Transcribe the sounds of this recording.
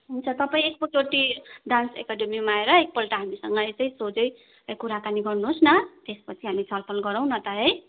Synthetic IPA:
ɦunt͡sʰʌt̪ʌpaĩek̚pʌoʈiɖansḛkaɖemimaeɾʌek̚pʌlʈaɦamisʌŋɡʌjt͡sʌĩsod͡zʌj | ʌkuɾakaniɡʌrnuɦosnʌt̪espʌt͡sʰiɦamit͡sʰʌlpʰʌlɡʌɾʌw̃nʌt̪ʌɦej

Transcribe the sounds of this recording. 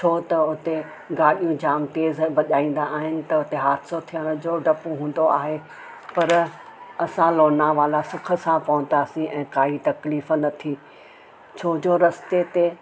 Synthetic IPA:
t͡ɕʰoːt̪ɐʊt̪e | ɡaːɗijũd͡ʑaːmt̪eːzbɐɗaːĩːn̆d̪aːɦɪnɪ̆t̪ɐʊt̪eɦaːt̪ʰsot̪ʰijəɽ̃ʊd͡ʑoːɖɐpoɦũːn̆d̪oaːɦe | pɐɾɐsãloːnãʋaːlasʊkʰə̆sãpɐʋʊ̃nd̪aːsĩʔɛ̃ːkaːit̪ɐkliːfə̆nɐt̪ʰi | t͡ɕʰoːd͡ʑoːɾɐst̪et̪e

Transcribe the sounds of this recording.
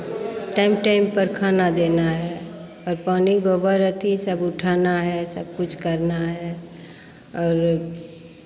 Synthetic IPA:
ʈaːɪmʈaːɪmpəɾkʰaːnad̪eːnaɦɛ | ɔːɾpaːniɡoːbəɾət̪ʰisəbʊʈʰaːnaɦɛsɐb̚kʊt͡ʃʰkəɾnaɦɛ | ɔːɾ

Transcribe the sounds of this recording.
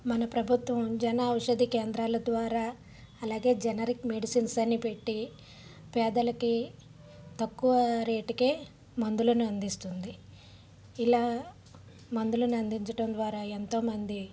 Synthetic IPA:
mɐnɐpɾɐbʱut̪ʋɐmd͡ʒɐnaɐwuʂɐd̪ikeːnd̪ɾaːlɐd̪ʋaːɾaː | ɐlaːɡe̞ːd͡ʒɐnɐɾikmeɖisiːnsɐnːipe̞ʈːi | pɛːd̪ɐlɐki | t̪ɐkːuʋɐɾe̞ːʈikeː | mɐnd̪ulɐnuɐnd̪ist̪und̪iː | laː | mɐnd̪ulɐniɐnd̪iɲt͡ʃɐʈɐmd̪ʋaːɾaːent̪o̞ːmɐnd̪i

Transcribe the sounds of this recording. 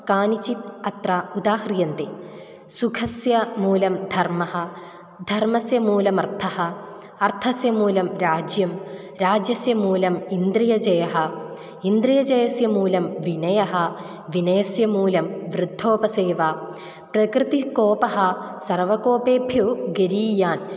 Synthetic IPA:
kaːnit͡ɕit̪ɐt̪rɐud̪aːhɾijɐnt̪i | sukʰɐsjɐmuːlɐmd̪ʱɐrmɐhɐ | d̪ʱɐrmɐsjɐmuːlɐmɐrt̪ʰɐhɐ | ɐrt̪ʰɐsjɐmuːlɐmɾaːd͡ʑjɐm | ɾaːd͡ʑjɐsjɐmuːlɐmind̪ɾijɐd͡ʑɐjɐɦɐ | ind̪ɾijɐd͡ʑɐjɐsjɐmuːlɐmʋinɐjɐɦɐ | ʋinɐjɐsjɐmuːlɐmʋrɨd̪ʱːoːpɐseːʋa | prɐkɾɨt̪ikoːpɐɦɐ | sɐrʋɐkoːpeːbʱjɐɡɐɾiːjaːn

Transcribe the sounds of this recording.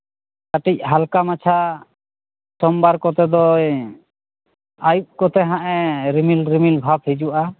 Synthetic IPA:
kaʈic̚ɦalkamat͡ʃʰa | sɔmbaɾkɔt̪ɛd̪ɔj | ajup̚kɔt̪ɛɦaʔɛɾimilɾimilbʱab̚hid͡ʒuʔa

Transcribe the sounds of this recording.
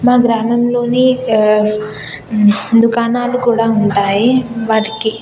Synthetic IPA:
maːɡɾaːmɐmlo̞ːni | d̪ukaːnaːlukuːɽaːuɳʈaːjiʋaːʈiki

